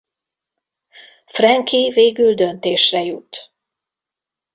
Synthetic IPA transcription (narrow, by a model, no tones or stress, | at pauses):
frɛŋkʰiveːɡyld̪ønt̪eːʃrɛjut̪